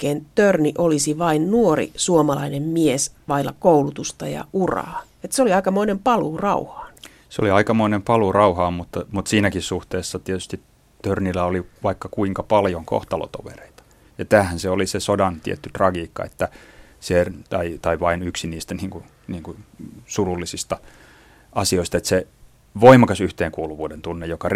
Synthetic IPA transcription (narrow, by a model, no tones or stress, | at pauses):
eːnt̪ørniʔolisiʋɑinnuorḭsuomɑlɑinemmiesʋɑilːɑ̰koulut̪ust̪ɑjɑ̰ʔurɑ̰ː | et̪seoliɑikɑmoinempɑluːrɑuhɑ̥ːn | seo̰liɑikɑmoinempɑlurɑuhɑːmut̪ːɑmut̪siːnækissuht̪eːsːɑt̪iet̪yst̪it | t̪ørnilæoliʋɑikːɑkuiŋkɑpɑljoŋko̰ht̪ɑlo̰t̪o̰ʋḛreit̪ɑ̥ | jɑt̪æːhænseolisesodɑnt̪ḭet̪ːyt̪rɑɡiːkːɑ̰ḛt̪ːæset̪ɑit̪ɑiʋɑinyksiniːst̪æniːŋku | niːŋkusululːisist̪ɑ | ɑsioist̪ɑet̪se | ʋoimɑkɑsyht̪eːŋkuːluʋuːdent̪unːejokɑr